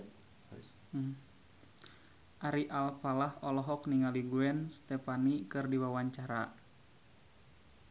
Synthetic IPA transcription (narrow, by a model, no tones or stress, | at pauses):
ʔaɾiʔalfalahɔlɔɦɔkniŋaliɡuɛnst̪ɛpanikɨrdiwawaɲt͡ʃaɾa